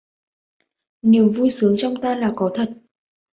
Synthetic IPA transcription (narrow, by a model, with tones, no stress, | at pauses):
ni˨˩əmvu˧jsɨ˨˦əŋt͡ɕɔ˧wŋ͡mt̪aː˧laː˨˩kɔ˨˦t̪ʰə˨˩t̚